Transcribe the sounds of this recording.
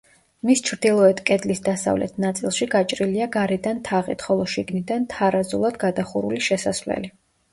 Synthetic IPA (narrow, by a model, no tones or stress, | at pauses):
mist͡ʃʰɾd̪ilˠɔɛt̪ʰkʼɛd̪lisd̪asa̰vlɛ̰t̪ʰnat̪sʼilˠʃiɡat͡ʃʼɾiliaɡaɾɛd̪ant̪ʰaʁḭt̪ʰχɔlˠɔʃiɡnid̪ant̪ʰaɾazṵlˠad̪ɡad̪aχuɾṵliʃɛsasvlɛ̰li